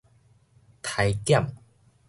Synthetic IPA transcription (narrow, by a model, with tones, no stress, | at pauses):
t̪ʰa˨˧jkja˥˨m